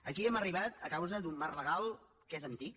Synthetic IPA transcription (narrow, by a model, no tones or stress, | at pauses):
əkiɛməriβ̞at̪əkawzəðumːarləɣalˠ | kezənt̪ik